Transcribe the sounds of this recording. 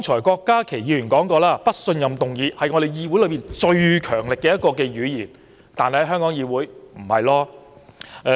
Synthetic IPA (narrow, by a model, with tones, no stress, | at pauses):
ŋt͡ʃʰɔː˨˩jkɔː˧kːaː˥kʰe˨˩jiː˨˧jyː˨˩nkɔː˨˥ŋkɔː˧laː˥pɐ˥t̚sɵ˧njɐ˨mt̪ʊ˨ŋjiː˨˧hɐ˨jŋɔː˨˧ɾe˨jjiː˧wu˨˥jlɵ˨˧piː˨nt͡ʃɵ˧ɥkʰœː˨˩ŋlɪ˨kːɛː˧jɐ˥t̚kɔː˧kɛː˧ɥyː˨˧jiː˨˩n | t̪aː˨nhɐ˨jhɐ˥jɦœː˥ŋkɔː˨˥ŋjiː˧wuː˨˥jm̩˨˩hɐ˨jlɔː˥˧